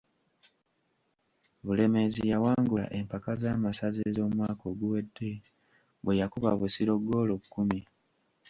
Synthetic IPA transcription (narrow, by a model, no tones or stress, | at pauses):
βule̞me̞zijawaːŋɡula̰ʔe̞mpakazaːmasazezo̞ːmwaːko̞ɡuwe̞dːe̞ | βwejakuβa̰βusiɾo̞ɡːo̞ːlokːumi